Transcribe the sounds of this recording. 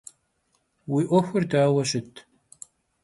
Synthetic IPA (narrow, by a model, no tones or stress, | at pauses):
wiːʔʷɔxʷʊrdaːwɐɕɪtʰ